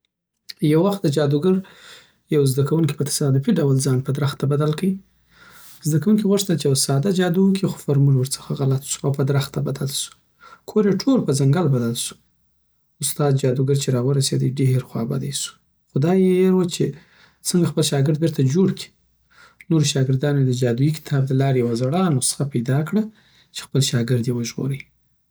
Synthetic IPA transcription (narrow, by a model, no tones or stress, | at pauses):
jawaxt̪̚d̪əd͡ʒɑd̪uɡaɾ | jawzd̪akawunki̥pət̪ḁsɑd̪ipiɖawəld͡zɑnpəd̪ɾaxt̪ːabad̪alkai | zd̪akawunkiɣʊʂt̪at͡ʃejawsɑd̪ad͡ʒɑd̪uwəkʰixo̥faɾmulwəɾt͡sə̥xaɣalat̪su̥awpəd̪ɾaxt̪ːabad̪alsu̥ | kʰoɾjeʈʰoɾpəzaŋɡalbad̪alsu̥ | ʊst̪ɑd̪d͡ʒɑd̪uɡaɾt͡ʃeɾɑwəɾased̪əjɖehɾxwɑ̰ba̰d̪ajsu̥ | xʊd̪ɑjeɾwət͡ʃe | t͡səŋɡaxpəlʃɑɡɪɾd̪̚bɪɾt̪ad͡ʒoɽkʰi̥ | noɾoʃɑɡɪɾd̪ɑnod̪əd͡ʒɑd̪ujikɪ̥t̪ʰɑb̚d̪əlɑɾewazaɽɑnosə̥xapajd̪ɑkɽa | t͡ʃe̥xpəlʃɑɡɪɾd̪jewəʒɣo̰ɾə